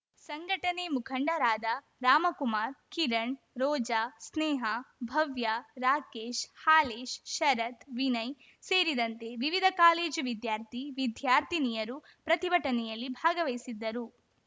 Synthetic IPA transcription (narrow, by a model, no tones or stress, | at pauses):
sɐŋɡʱɐʈɐnemukʰɐɳɖɐɾaːd̪ɐ | ɾaːmɐkumaːɾkiɾɐɳ | ɾɔːd͡ʒasnɛːɦɐbʱɐʋjaɾaːkeːʃhaːleːʃʃɐɾɐt̪ʋinɐj | se̞ːɾid̪ɐnt̪e̞ʋiʋid̪ʱɐkaːle̞ːd͡ʒʋid̪jaːɾt̪ʰiʋid̪jaːɾt̪ʰinijɐɾupɾɐt̪ibʱɐʈɐnɛjɐlːibʱaːɡɐʋɐjsid̪ːɐɾu